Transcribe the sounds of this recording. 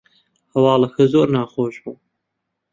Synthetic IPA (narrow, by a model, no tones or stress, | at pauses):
hɐwɑːlˠɐxʰɐzoːɾnaːχoːʒbuː